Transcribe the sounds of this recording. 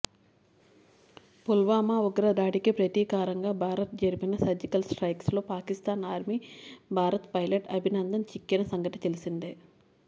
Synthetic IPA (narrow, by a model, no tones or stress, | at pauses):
pulʋaːmaːuɡɐɾɐd̪aːʈikipɾɐt̪iːkaːɾɐŋɡaːbʱaːɾɐt̪̚d͡ʒɐɾipinɐsɐd͡ʒikɐlsʈɾɐjkslo̞ːpaːkist̪aːnaːɾmibʱaːɾɐt̪pɐjlɐʈɐbʱinɐnd̪ɐmt͡ʃikːinɐsɐŋɡɐʈit̪elisind̪e